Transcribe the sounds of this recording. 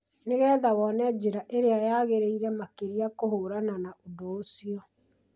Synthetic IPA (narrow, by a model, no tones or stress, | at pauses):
neɣɛːðawɔnɛd͡ʑeɾaʔeɾeajaːɣeɾeiɾɛmakeɾiakoɦoːɾananaodoosiɔ